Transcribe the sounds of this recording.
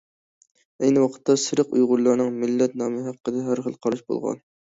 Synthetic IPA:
ɛjnɨwɑqʰə̥t̪ʰːɑsɨɾɨqṵjʁʊɾlˠɑɾnɨŋmɪlːɛt̪nɑːmɨɦæqːəd̪ɛɦæɾχəlˠqʰɑɾɨʃbo̰lˠʁɑ̰n

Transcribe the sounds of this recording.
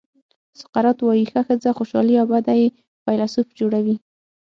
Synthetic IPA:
sʊ̥qaɾɑt̪wɑjixaxəd͡zaxoʃɑliɑbad̪aje | pajlasupd͡ʒoɽawi

